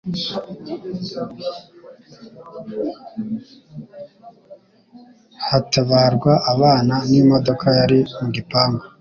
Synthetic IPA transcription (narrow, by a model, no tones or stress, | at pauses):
hataβaːɾɡwaʔaβaːnanimo̞do̞kʰajaɾimuɡipaːmɡa